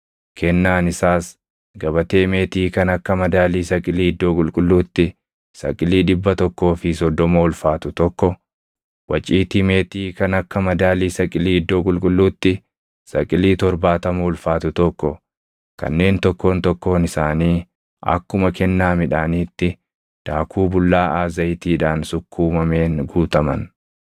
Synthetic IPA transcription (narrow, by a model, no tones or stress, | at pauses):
kɛnːaːnɪsaːs | ɡɐβɐt̪e̞ːme̞ːt̪iːkɐnɐkːɐmɐd̪aːliːsɐkʼɪliːɪd̪ːo̞ːkʼʊlkʼʊlːuːt̪ːɪ | sɐ̰kʼɪliːᶑɪbːɐt̪ɔkːo̞ːfɪsɔd̪ːɔmoʊlfaːt̪ʊt̪ɔkːɔ | wɐt͡ʃʼiːt̪ime̞ːt̪iːkɐnɐkːɐmɐd̪aːliːsɐkʼɪliːɪd̪ːo̞ːkʼʊlkʼʊlːuːt̪ːɪ | sɐkʼɪliːt̪ɔɾbaːt̪ɐmɐʊlfaːt̪ʊt̪ɔkːɔ | kɐ̰nːe̞ːnt̪ɔkːo̞ːnt̪ɔkːo̞ːnɪsaːniː | ɐ̰kːʊmɐkɛnːaːmɪᶑaːniːt̪ːɪ | d̪̥aːkʰuːbʊlːaːʔaːzɐjt̪iːᶑaːnsʊkʰːuːmɐme̞ːnɡuːt̪ɐmɐ̰n